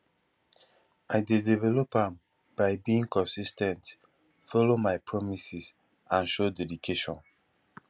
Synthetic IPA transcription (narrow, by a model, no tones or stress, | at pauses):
aɪdedivɛlɔpãm | b̥aɪbiĩŋkɔ̃nsistɛ̃nt | fɔlomaɪpʰɹɔmisis | ãnʃodɛdikʰeʃɔ̰̃n